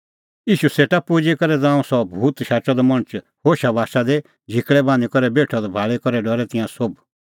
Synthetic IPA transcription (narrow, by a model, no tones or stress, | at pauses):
iːʃuseːʈapuːd͡ʒikɔɾɛd͡zãːũsɔbʱuːt̪ʃaːt͡ʃɔd̪ɔmɔɽ̃t͡ʃ | hoːʃabʱaːʃad̪e | d͡ʒʱɪkɭɛbãːnikɔɾɛbeːʈʰɔd̪ɔbʱaːɭekɔɾɛɖɔɾɛt̪ɪ̃jãsob